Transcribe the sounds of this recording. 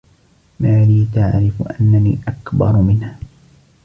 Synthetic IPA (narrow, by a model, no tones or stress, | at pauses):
maːliːt̪aʕɾɪfʔanːanḭːʔakbɑ̰ɾˤmɪnha